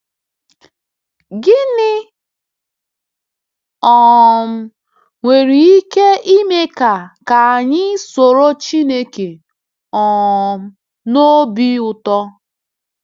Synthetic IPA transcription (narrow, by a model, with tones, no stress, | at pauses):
ɡɪ˦nɪ˦ | ɔ˨m̩˦ | ŋʷe˨ɾi˨i˦ke˦ʔi˦me˦ka˨ka˨a˨ɲɪ˦so˨ɾo˦t͡ʃi˦ne˦ke˨ | ɔ˨m̩˦ | no˦bi˦ʊ˨tɔ˦